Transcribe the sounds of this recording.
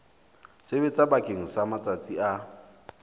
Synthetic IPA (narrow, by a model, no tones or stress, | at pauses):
sebet͡sʼabakʼeŋ̩samat͡sʼat͡sʼia